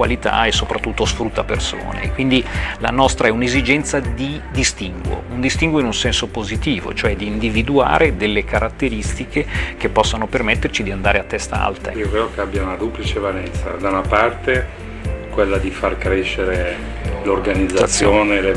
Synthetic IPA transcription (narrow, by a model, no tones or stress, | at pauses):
wa̰lit̪a̰ɛsːopɾat̪ːut̪ːosfɾut̪ːaperso̰ːnḛkwind̪ila̰nɔst̪ɾʔaɛunezid͡ʒɛnt̪sad̪id̪ist̪iŋɡwo̰und̪ist̪iŋɡwoinunsɛnsopozit̪iːvo̰t͡ʃoɛd̪iːnd̪ivid̪ua̰ːɾʔed̪elːekaɾat̪ːeɾist̪ikʰek̟epːɔsːanopermɛt̪ːert͡ʃid̪iand̪aːɾeat̪ːɛst̪a̰a̰lt̪a̰iokɾeːd̪okeabːjaunad̪uplit͡ʃevalɛnt̪sa̰d̪awnapart̪e | kwelːad̪ifarkɾeʃːeɾe | lorɡanid̪zːasːjoːnele